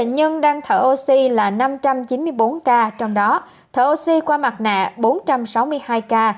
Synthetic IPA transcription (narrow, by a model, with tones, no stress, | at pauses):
t̪ə̰˧˨ɲə˧nɗaː˧ŋt̪ʰəː˧˩ʔo˧si˧laː˨˩na˧mt͡ɕa˧mt͡ɕi˨˦nmɨ˧əjɓo˨˦nkaː˧t͡ɕɔ˧wŋ͡mɗɔ˨˦ | t̪ʰəː˧˩ʔo˧si˧kwaː˧ma˨˩t̚na̰ː˧˨ɓo˨˦nt͡ɕa˧msa˨˦wmɨ˧əjhaː˧jkaː˧